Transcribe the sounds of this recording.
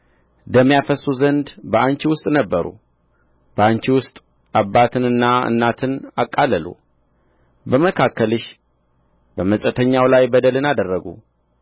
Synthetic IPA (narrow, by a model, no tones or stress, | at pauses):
d̪əmːjafəsuzənd̪bəʔaɲt͡ʃiwʊst̪ʼnəbːəɾṵ | b̥əaɲt͡ʃiwʊst̪ʼ | abːat̪ʰɨnɨnːaɨ̰nːat̪ʰɨnakʼːaləlṵ | bəməkʰakːəlɨʃ | bəməsʼət̪ʰəɲːawlajbəd̪əlɨnad̪ərːəɡṵ